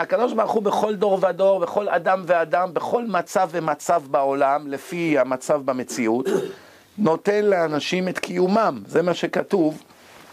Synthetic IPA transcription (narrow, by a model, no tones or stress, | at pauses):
akad̪o̞ʃbaʁuχube̞χo̞ld̪o̞ʁvado̞ʁbe̞χo̞la̰d̪amvead̪ambe̞χo̞lmat͡savemat͡savbao̞lamle̞fihamat͡savbame̞t͡siut̪ | no̞t̪e̞nleanaʃimet̪kʰijumamze̞maʃe̞kat̪uv